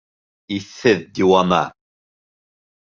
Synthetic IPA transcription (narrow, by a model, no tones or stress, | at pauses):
iθɨðd̪iwama̰